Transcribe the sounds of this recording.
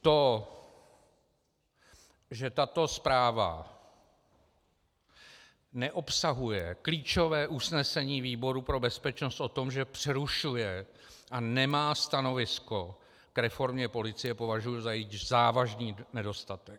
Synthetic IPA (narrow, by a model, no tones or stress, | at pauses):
t̪o | ʒɛt̪at̪o̞spɾaːva̰ | nɛʔo̞psaɦujɛkliːt͡ʃo̞vɛːʔusnɛsɛɲiːviːbo̞ɾupɾo̞bɛspɛt͡ʃno̞st̪ʔo̞t̪o̞mʒɛpr̥ɛɾuʃujɛ | ʔanɛmaːst̪ano̞vɪsko̞ | kɾɛfo̞ɾmɲɛpo̞lɪt͡sɪjɛpo̞vaʒujuzajɛizaːvaʒniːnɛdo̞st̪at̪ɛk